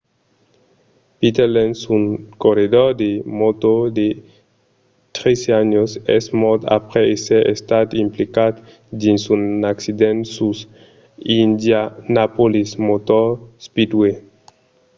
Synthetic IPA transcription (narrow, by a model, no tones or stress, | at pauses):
pit̪elensuŋkoɾedoɾd̪emot̪od̪e | t̪ɾeseaɲosḛsmot̪a̰pɾeeseḛst̪at̪implikat̪ | d̪insunaksid̪ensus | ind̪janapolismot̪ospid̪we